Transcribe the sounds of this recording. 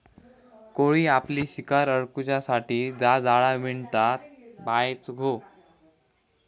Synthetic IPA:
koɭiːapliːɕikaɾəɽkut͡ɕasaʈiːd͡zad͡zaɭaʋiɳt̪at̪̚bajt͡sɡʱo

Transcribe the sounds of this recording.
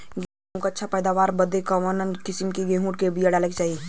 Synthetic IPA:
ɡeːɦõkaɐtːʃʰapɛːd̪aʋaːɾbɐd̪ekamənənkɪsɪmkiɡẽːɦũːʈ̚kebijaɽaːlekt͡ʃaːɦie

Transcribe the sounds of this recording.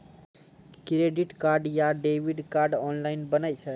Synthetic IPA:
kɾeɖiʈkaɾɖjaɖeʋiɖkaɾɖɔnlainbənajt͡ʃʰe

